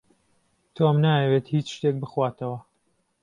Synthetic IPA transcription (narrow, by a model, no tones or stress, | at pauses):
t̪ʰomnaːjɐwet̪hiːt͡ʃʃt̪ek̚bɨxwaːt̪ʰɐwɐ